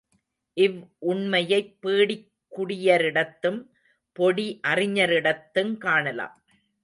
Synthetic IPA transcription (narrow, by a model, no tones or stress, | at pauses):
ʔɪʋʔʊɳmɐjɐɪpːiːɽɪkːʊɽɪjɐɾɪɽɐt̪ːɯm | pɔɽiʔɐrɪɲɐɾɪɽɐt̪ːɯmkaːɳɐla̰ːm